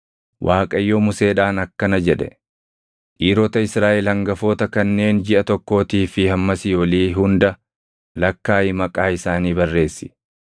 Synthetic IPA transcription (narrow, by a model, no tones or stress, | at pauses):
wʔaːkʼɐjːoːmʊse̞ːᶑaːnɐkːɐnɐd͡ʒɛᶑɛ̰ | ʔiːɾɔt̪ɐɪsɾaːʔɛlhɐŋɡɐfoːt̪ɐkɐnːe̞ːnd͡ʒɪʔɐt̪ɔkːo̞ːt̪iːfɪhɐmːɐsɪjɔliːɦʊnd̪ɐ | lɐkːaːjɪmɐkʼaːɪsaːniːbɐrːe̞ːsːɪ̥